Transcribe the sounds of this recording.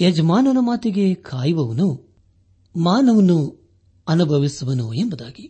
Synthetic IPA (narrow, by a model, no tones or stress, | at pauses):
jed͡ʒɐmaːnɐnɐmaːt̪iɡekʰaːjiʋɐʋɐnu | maːnɐʋɐnu | ɐnubʱɐʋisuʋɐnuembɐd̪aːɡi